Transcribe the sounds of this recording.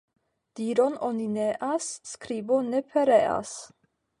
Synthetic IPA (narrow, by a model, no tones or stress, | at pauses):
d̪̥iːɾonɔnineʔasːkɾiːbonɛpʰɛɾea̰s